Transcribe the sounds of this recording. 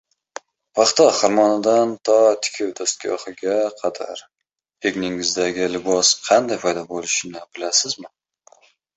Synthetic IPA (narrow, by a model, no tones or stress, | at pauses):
pʰɑχt̪ɒχaɾmɒnad̪ant̪ʰɒt̪ʰɪ̥kʲʰɪwd̪ast̪̚ɡʲɒ̰hɪɡʲaqʰɑd̪a̰ɾ | eɡʲnɪŋɪzd̪aɡʲɪlɪbɒsqʰɑnd̪ajpʰɒjd̪ɒbolɪʃɪnɪbɪlasɪzmɪ